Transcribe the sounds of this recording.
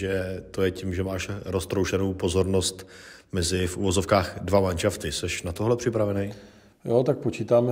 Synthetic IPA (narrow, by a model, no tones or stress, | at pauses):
ʒɛt̪ojɛcimʒɛmaːʃɾost̪ɾowʃɛnowpo̞zo̞ɾno̞st̪ | mɛzɪfʔuvo̞zo̞fkaːxdvamanʃaft̪ɪsɛʃnat̪oɦlɛpr̝̥ɪpɾavɛnɛj | jot̪ak̚pot͡ʃiːt̪aːmɛ